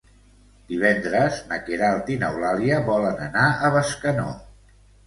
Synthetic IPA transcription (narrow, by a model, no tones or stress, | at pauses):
d̪̥iβɛnd̪ɾəznəkeɾalˠt̪inəwlaliəβɔlənənaʔəβəskəno̰